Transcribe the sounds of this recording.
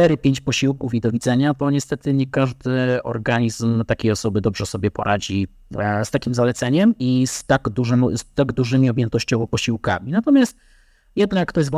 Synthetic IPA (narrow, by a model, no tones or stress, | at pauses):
t̪ɛɾɘpʲjeɲt͡ɕpɔɕiwkufid̪ɔvʲid̪zɛɲat̪ɔɲɛst̪ɛt̪ɘɲɛkaʐd̪ɘɔ̰ɾɡaɲizmt̪akʲejɔsɔbɘd̪ɔbʐɛsɔbʲjɛpɔ̰ɾʔad͡ʑi | st̪akʲimzalɛt̪sɛɲɛmist̪aɡd̪uʐst̪aɡd̪uʐɘmʲiɔbʲjɛnt̪ɔɕt͡ɕɔvɔpɔɕiwka̰mʲinat̪ɔmʲjast̪ | jɛd̪najkːt̪ɔjɛzv